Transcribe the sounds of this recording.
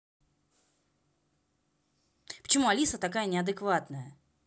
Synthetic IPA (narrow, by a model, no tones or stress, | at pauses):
pə̥t͡ɕɪmuɐlʲisət̪akajənʲɪɐd̪ɨkvat̪nəjə